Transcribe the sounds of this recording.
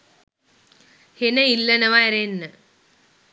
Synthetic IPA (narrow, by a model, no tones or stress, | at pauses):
henɐilːɐnɐʋaɾenːə